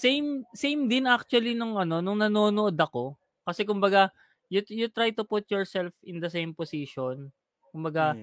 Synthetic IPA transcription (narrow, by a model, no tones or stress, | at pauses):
sejmsejmd̪ɪnak̚t͡ʃuɐlinʊŋʔɐno̞nʊŋnɐno̞ːnoʔod̪ɐko̞ | kɐsɛk̬ʊmbɐɡa | jʊjʊt̪ɾajt̪ʊpʊt̪̚jɔɹsɛlfɪ̃nd̪ɐsẽjmposiʃon | kʊmbɐɡa